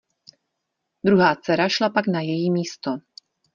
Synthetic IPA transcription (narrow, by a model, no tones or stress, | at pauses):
d̪ɾuɦaːt͡sɛɾaʃlapaɡnajɛjiːmiːst̪o